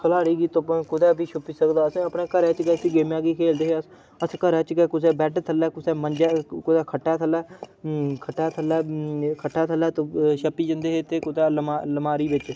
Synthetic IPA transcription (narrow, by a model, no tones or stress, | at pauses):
kʰəlaːɾiːɡiːt̪oːpːkʊd̪ɛːbiːʃʰʊpiːsəkd̪aːəsẽːəpɳeːkəɾɛ̃ːt͡ʃɡɛːsĩːɡeːmjãːɡiːkʰeːld̪eːɦeːəs | əskəɾɛːt͡ʃɡɛːkʊs̬ɛːbɛːʈːt̪ʰəlɛːkʊsɛːməɲd͡ʒɛːkʊd̪ɛːkʰəʈːɛːt̪ʰəlːɛː | kʰəʈːaːt̪ʰəlːɛːkʰəʈʰːaːt̪ʰəlːɛːt̪oːʃəpːiːd͡ʒənd̪eːɦeːt̪eːkʊd̪ɛːlmaːləmaːɾiːʋɪt͡ʃ